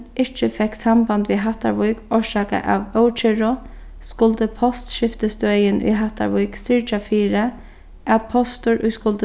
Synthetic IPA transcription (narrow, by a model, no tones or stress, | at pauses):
ɪht͡ʃəfɛhksambant̪ʋiɦaht̪a̰ɹʋʊjkɔʂaːka̰ʔa̰ʋœwt͡ʃʰɪɹʊ | skʊlt̪əpʰɔst̪ʃɪft̪əst̪œːjɪnʔʊ̰jɦaht̪a̰ɹʋʊjksɪɹt͡ʃafiːɾə | at̪̚pʰɔst̪ʊɹʔʊjskʊlt̪ə